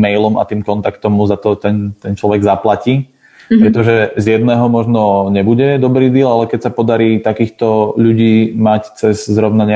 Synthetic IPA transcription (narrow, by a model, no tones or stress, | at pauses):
mɛjlɔma̰t̪iːmkɔnt̪akt̪ɔmːuzat̪ɔt̪ɛnt̪ɛnt͡ʃlɔʋɛɡzaplaciː | pɾɛt̪ɔʒɛzjɛd̪nɛːɦɔmɔʒnɔɲɛbuɟɛd̪ɔbɾiːd̪ɪɛlalɛkɛcsapɔd̪aɾiːt̪akiːxt̪ɔʎuɟiːmact͡sɛzzɾɔʊnaɲɪ